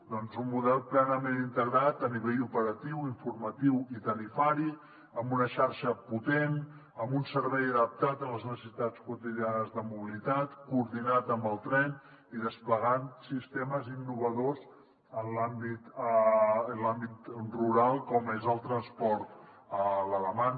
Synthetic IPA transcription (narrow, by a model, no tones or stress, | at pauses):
d̪ɔnzummuðɛlˠplɛnəmenint̪əɣɾat̪əniβeʎupəɾət̪iwiɱfuɾmət̪iwit̪əlifaɾi | əmbunəʃaɾʃəput̪en | əmbunsəɾβɛjəðəp̚t̪at̪ənləznəsəsit̪at͡skut̪iðianəzðəmuβilit̪at̪kuːɾðinat̪əmbəlˠt̪ɾɛn | iðəspləɣansist̪eməzinːuβ̞əðoz | ənlambit̪ː | nlambit̪ruɾalˠkɔmezəlˠt̪ɾənspɔɾt̪ | ələləman